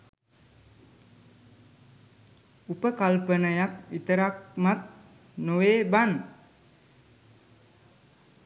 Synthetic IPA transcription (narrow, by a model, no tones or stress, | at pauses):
upəkalpənajak̚it̪əɾak̚mat̪̚ | noweban